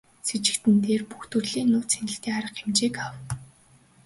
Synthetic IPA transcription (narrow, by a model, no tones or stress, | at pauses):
sit͡ɕɪ̥̆kt̪ɘ̆nt̪eːrpuxt̪ɵ̆rɮiːnːʊːt͡sʰenɪ̆ɬt̪eːaɾə̆qxemt͡ɕeːkaw